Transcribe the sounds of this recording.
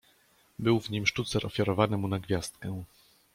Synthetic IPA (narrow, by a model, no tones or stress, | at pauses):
bɘwvɲimʂtut̪sɛɾʔɔfʲjaɾɔvanɘmunaɡvʲjast̪̚kɛ̃